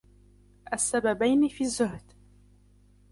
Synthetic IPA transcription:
ʔasːababajnifiːzːʊhd̪

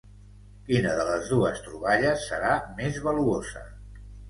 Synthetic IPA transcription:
kinəðələzðuəst̪ɾuβaʎəsːəɾamezβəluozə̰

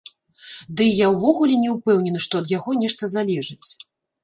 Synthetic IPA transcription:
d̪ɨjawvɔɣulʲɛnʲɛwpɛwnʲɛnɐʂt̪ɔɐd̪jaɣɔnʲɛʂt̪ɐzalʲɛʐɨt͡sʲ

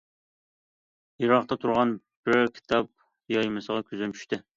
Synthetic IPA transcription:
jiɾɑqt̪ɑt̪ʰuɾʁɑn | b̥ɾkʲʰi̥t̪ʰɑp̚ | jɑjmɨsəʁɑkʲʰyzɛnt͡ʃʰy̥ʃt̪ɪ

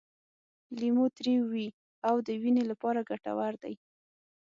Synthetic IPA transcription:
limot̪ɾiwːi | awd̪əwinelapɑɾaɡaʈa̰waɾd̪a̰j

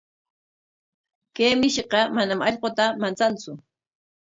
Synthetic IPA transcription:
keːmɪʃqɑmanamɑʎqot̪amant͡sant͡sʊ

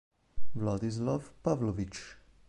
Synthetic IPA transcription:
vlɔd̪izlafpavlɔvit͡ʃ

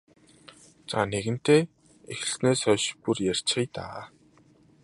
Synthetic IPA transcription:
t͡saneɣɘ̆n̥t̪eː | exɘ̆sneːsœːʃpurjær̥ʲt͡ɕχijt̪a̰ː

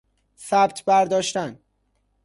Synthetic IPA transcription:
sæbt̪ʰbæɾd̪ɒːʃt̪æn

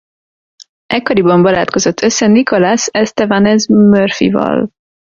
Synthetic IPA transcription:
ʔɛkːɒɾibɒmbɒlaːt̪ko̞zot̪ʰːø̞sːɛnikolasɛst̪ɛvanɛzmørfḭvɒ̰l

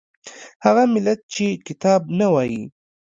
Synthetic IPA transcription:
haɣamɪlat̪̚t͡ʃekɪt̪ɑb̚nawɑjḭ

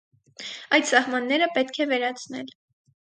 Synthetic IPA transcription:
ɑjt̪sɑhmɑnːɛɾəpɛt̪kʰɛvɛɾɑt͡sʰnɛ̰l

